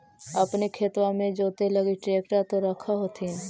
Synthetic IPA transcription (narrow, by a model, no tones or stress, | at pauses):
əpnekʰeːt̪wãmẽd͡ʒoːt̪eləɡiʈɾeːkʈat̪oɾəkʰaɦoːt̪ʰin